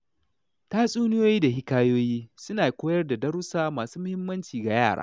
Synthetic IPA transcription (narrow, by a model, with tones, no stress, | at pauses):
taː˦sʼuː˦nɪ˦joː˦jiː˦da˨hɪ˦kaː˦joː˦jiː˦sʊ˦naː˨kʷoː˦jɐ˦rda˨dɐ˦ɾʊ˦saː˦maː˨suː˦mʊ˦hɪ˦mːɐ˦nt͡ʃiː˨ɡa˨jaː˦˨ɽa̰ː˦